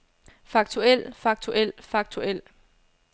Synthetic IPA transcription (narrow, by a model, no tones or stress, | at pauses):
fɑ̈ɡ̥̚t͡sʰuel̰fɑ̈ɡ̥̚t͡sʰuʔel̰fɑ̈ɡ̥̚t͡sʰuel̰